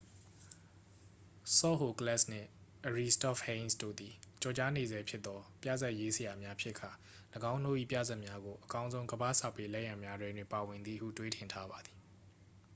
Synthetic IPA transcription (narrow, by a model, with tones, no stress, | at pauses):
sɔ̰˦˨ɦo˨kəlɛ˦˨sn̥ɪ̰̃˦˨ʔəɹi˦stɔ˦˨fhẽ˦nsdo̰˦˨d̪i˨t͡ɕɔ˨t͡ɕa˦ne˨zɛ˦pʰjɪ˦t̪t̪ːɔ˦pjä̰˦˨zɛ˦ʔje˦sə˨ja˨mja˦pʰjɪ˦ʔkʰːa˨ | ləɡã˦ʊ̃no̰˦˨ʔḭ˦˨pjä̰˦˨zɛ˦ʔmja˦ɡo˨ʔəkã˦ʊ̃nzõ˦ʊ̃ɡəba̰˦˨sa˦˨pe˦lɛ˦ʔjã˨mja˦dwɪ̃˦ndwɪ̃˨pa˨wɪ̃˨nd̪ðḭ˦˨hṵ˦˨twe˦tʰɪ̃˨ntʰa˦ba˨d̪i̥˨